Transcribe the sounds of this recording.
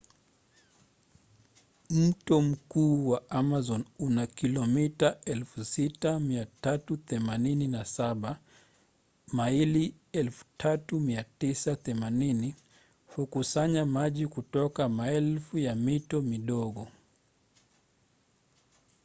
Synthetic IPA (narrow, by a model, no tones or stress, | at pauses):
m̩tɔm̩kuːwaamazɔnunakilɔmitaɛlfusitamiatatuθɛmanininasaɓa | maili | ɛlfu̥tʰatumiatisaθɛmanini | hukusaɲamaʄikutɔkamaɛlfujamitɔmiɗɔɠɔ